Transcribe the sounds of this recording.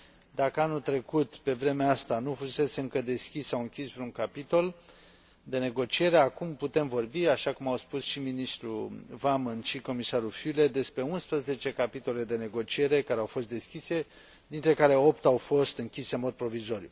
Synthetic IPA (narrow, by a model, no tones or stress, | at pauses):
d̪akəanult̪ɾe̞kut̪pe̞vɾe̞meaast̪anufuse̞se̞ɨŋkəd̪e̞skʲisːawɨŋkʲisvɾuŋkapit̪o̞l | d̪e̞ne̞ɡo̞t͡ʃie̞ɾe̞akumput̪e̞mvo̞rbiaʃakumawspusʃiminist̪ɾuvamɨnʃiko̞misaɾufule̞d̪e̞spɾe̞unspɾəze̞t͡ʃe̞kapit̪o̞le̞d̪e̞ne̞ɡo̞t͡ʃie̞ɾe̞kaɾeawfo̞st̪d̪e̞skʲise̞ | d̪int̪ɾe̞kaɾe̞o̞pt̪awfo̞st̪ɨŋkʲise̞ɨnmo̞d̪̚pɾo̞vizo̞ɾjṵ